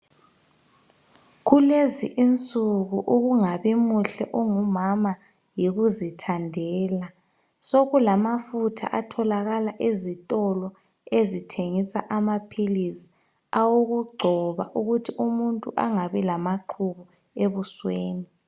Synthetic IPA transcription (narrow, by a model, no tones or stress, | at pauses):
ɣuleziʔint͡sʼuɣuʔuɣuŋaβimuɬɛ̰ʔuŋumama | jiɣuzitʰandʱɛːla | soɣulamafutʰa̰ʔatʰɔlaɣalaʔezitʼɔlɔ | ezitʰeŋisa̰ʔamapʰilisi̥ | awoɣuɡ͡ǃʱɔβa̰ʔuɣutʰiʔumuntʼuʔaŋaβɛlamaǃʰuβɔ | eβusweːni